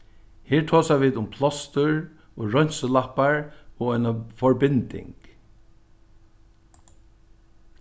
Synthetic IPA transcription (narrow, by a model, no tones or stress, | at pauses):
hiːɹt̪ʰoːsaʋiːðʊmpʰlɔst̪əɹ | ɔːɹɔjnsəlahpaɹɔːɣɔjnafɔɹbɪnt̪ɪ̰ŋk